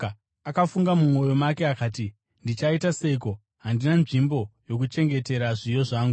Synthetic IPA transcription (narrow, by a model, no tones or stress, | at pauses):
akafuŋɡamumo̞jo̞make̞akaːti | ndit͡ʃaitase̞iko̞ | ɦandinanʐimbo̞jo̞k̬ut͡ʃe̞ŋɡe̞te̞ɾaʐijo̞ʐaːŋɡu